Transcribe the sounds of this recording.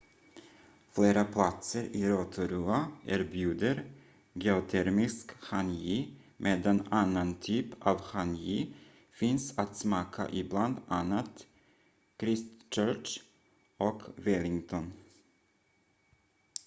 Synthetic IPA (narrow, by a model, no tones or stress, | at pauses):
fleːɾapʰlat̪səɾiːɾot̪ʰəɾuːaʔæːɾbjʉːd̪əɾ | ɡɛʊt̪ʰɛɾmɪskhɑnjiː | mʔeːd̪ɛnanːant̪ʰyːpɑːʋhɑnjiː | fɪnsat̪smɑːkʰa̰ʔɪbland̪anːat̪ | kʰɾɪst̪t͡ʃøːʈ | ɔkvɛlɪŋt̪ʰɔn